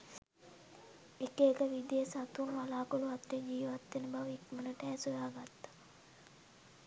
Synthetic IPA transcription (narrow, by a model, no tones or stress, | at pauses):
ekeːkəʋid̪ejesat̪unʋalaːkoluat̪red͡ʒiːʋat̪ːenəbaʋikmənəʈɛːsujaːɡat̪ːḁ